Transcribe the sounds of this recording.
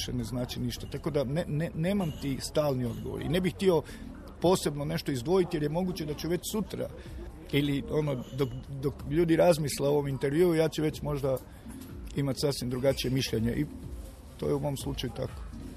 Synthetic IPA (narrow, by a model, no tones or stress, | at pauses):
ʃeneznaːt͡ʃiniʃt̪at̪ako̞d̪anenene̞ːmamt̪ist̪aːlnio̞d̪ɡoʋo̰ɾḭne̞bixt̪io̞ | po̞ːse̞bnone̞ʃt̪o̞izd̪ʋo̞jit̪jeɾjemo̞ɡut͡ɕe̞d̪at͡ɕuʋe̞t͡ɕsut̪ɾa̰ | ilio̞nod̪okd̪okʎuːd̪iɾazmisleo̞ʋo̞mint̪e̞ɾʋjuːujaːt͡ɕuʋe̞t͡ɕmo̞ʒd̪a | imat̪sasʋimd̪ɾuɡat͡ʃije̞miʃʎe̞ɲeʔi | t̪oːjeumo̞mslˠut͡ʃajut̪a̰ko